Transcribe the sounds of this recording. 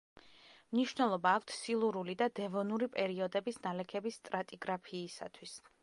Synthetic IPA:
mniʃvnɛlˠɔbaːkʷʰt̪ʰsilˠuɾulid̪ad̪ɛvɔnuɾipʼɛɾiɔd̪ɛbisnalɛkʰɛbist̪ʼɾat̪ʼiɡɾapʰiːsa̰t̪ʰwis

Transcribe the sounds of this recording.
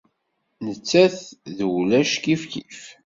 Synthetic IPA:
nət͡sːæθðwlæʃkifkif

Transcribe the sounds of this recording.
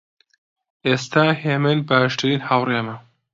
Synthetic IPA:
est̪aːheːmɨnbaːʃt̪ʰɨɾiːnhawremɐ

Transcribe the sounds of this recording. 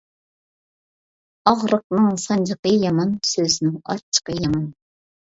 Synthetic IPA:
ɑʁɾəq̚nɨŋsɑnd͡ʒɨqəjɑmɑnsøzɪnɪŋɑ̰t͡ʃʰːə̥qəjɑmɑn

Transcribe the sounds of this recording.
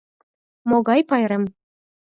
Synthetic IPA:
moɣɑjpɑjɾem

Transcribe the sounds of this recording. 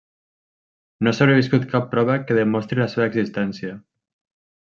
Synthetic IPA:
nosaβɾeβiskut̪kapːɾɔβəkeðəmɔst̪ɾilaseβəːɡzist̪ɛnsja

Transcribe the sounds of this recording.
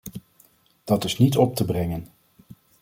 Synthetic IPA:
d̥ɑtɪsnitɔp̚təbrɛŋən

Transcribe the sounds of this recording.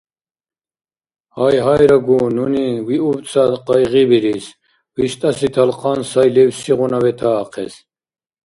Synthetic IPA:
hajɦajɾaɡununiwiubt͡sʰʼat̪qɑjʁibiɾis | wiʃt̪ʼɐsit̪ʰɐlqʰɑnsajlɛwsiʁunawɛt̪ʰaːqʰɛ̰s

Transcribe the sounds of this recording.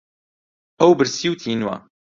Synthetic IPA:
hɐwbɨɾsiwt̪ʰinwa̰

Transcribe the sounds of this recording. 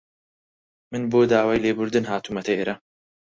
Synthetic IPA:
mɨnboːd̪aːwaːjleːbʊɾd̪ɨnɦaːt̪ʰumɐt̪ʰɐʔeːɾɐ

